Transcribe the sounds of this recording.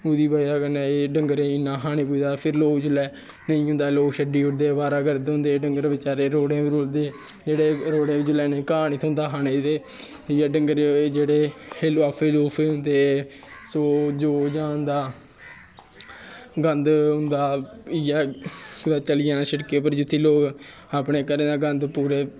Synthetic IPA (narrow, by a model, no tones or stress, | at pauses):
ʊd̪iːbaːjaːkənẽːeɖəŋɡəɾẽːɪnːãːɦaːnẽːpuid̪aːpʰɪɾloːɡd͡ʒʊlɛː | nəĩːɦʊ̃nd̪aːloːkʃəɖiːʊɽd̪eːbaːɾaːɡəɾd̪ɦʊ̃nd̪eːɖəŋɡəɾʋɪt͡ʃaːɾeːɾoːɽẽːʋiɾʊld̪eː | d͡ʒeːɽeːɾoːɽẽːbid͡ʒʊlɛːnẽːkaːniːt̪ʰʊ̃nd̪aːɦaːneːt̪eː | ɪjaːɖəŋɡəɾed͡ʒeːɽeːheːlːaːpʰeːluːpʰeːɦʊ̃nd̪eː | soːd͡ʒoːd͡ʒãːnd̪aː | ɡənd̪ɦʊ̃nd̪aːɪjaːkʊd̪aːt͡ʃəlɪjãːnãːʃəɽkeːp̬əɾd͡ʒʊt̪ʰːiːloːɡ | aːpɳeːkəɾẽːd̪aːɡənd̪puːɾeː